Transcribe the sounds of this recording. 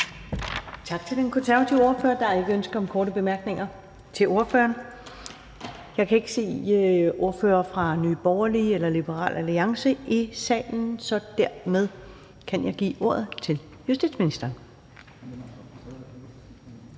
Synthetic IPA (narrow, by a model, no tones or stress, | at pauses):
t͡sʰɑ̈ɡ̥̚t͡sʰe̝lenkʰonsæɐʋæt͡sʰiʊo̝ɐfø̰ːɐd̥ɑ̈e̝ɡ̥əønsɡ̥̩ɒ̽mkʰɒːɾəb̥e̝mæɐɡ̥ne̝ŋɐ | t͡sʰe̝lo̝ɐfø̰ːɐn | jɑ̈ɪkʰæe̝ɡ̥əse̝̰ːo̝ɐfø̰ːɐfʁɑ̈ny̰ːb̥ɒʊɐlielɐlib̥əʁɑ̰̈ːlʔæliɑ̈ŋsəʔisɛ̰ːln̩sɒ̽d̥æɐ̰með̞ˠ | kʰænjɑ̈ɪɡ̥ḭːʔo̝ɐ̰ð̞ˠt͡sʰe̝l | jusd̥ḭd̥sminisd̥ɐːn